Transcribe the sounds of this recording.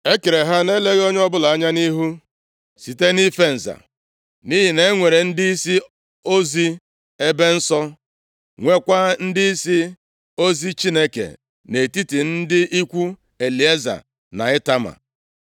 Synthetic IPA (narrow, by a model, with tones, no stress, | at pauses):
e˦ke˨ɾe˨ɦa˦ne˦le˦ɣo˦ɲ˦ɔ˦bʊ˦la˨a˦ɲa˦ni˦ɦu˦ | si˨te˦ni˦fe˦n̩˨za̰˨ | ni˦ɦi˨ne˦ŋʷe˨ɾe˨n̩˦di˦i˦si˦ | o˦zi˦ | e˦be˦n̩˦sɔ˦ | ŋʷe˦kʷa˦n̩˦dɪ˦i˦si˦ | o˦zi˦t͡ʃi˦ne˦kḛ˨ | ne˨ti˦ti˨n̩˦dɪ˦ʔi˦kʷu˦ | e˨li˨e˦za̰˨ | na̰˨ɪ˦ta˦ma̰˨